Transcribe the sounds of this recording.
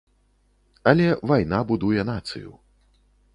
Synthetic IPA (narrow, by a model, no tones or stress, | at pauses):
ɐlʲɛvajn̪abud̪ujɛnat̪sɨ̰jṵ